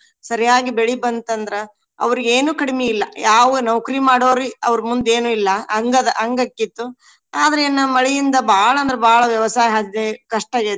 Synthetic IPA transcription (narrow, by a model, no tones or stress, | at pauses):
sɐɾjaːɡibeɭibɐnt̪ɐnd̪ɐɾe | ɐ̰ʋɐɾiɡeːnuːkɐɽimeilːɐjaːʋunɐʋkɐɾimaːɽoːɾiɐ̰ʋɐɾmund̪e̞ːnuːilːɐɐŋɡɐd̪ɐʔɐŋɡɐkːit̪ːu | aːd̪ɐɾeːnːɐmɐɭijind̪ɐbʱaːɭɐːnd̪ɾebʱaːɭɐʋjɐʋɐsaːjɦad͡ʒd̪ekɐʂʈɐɡe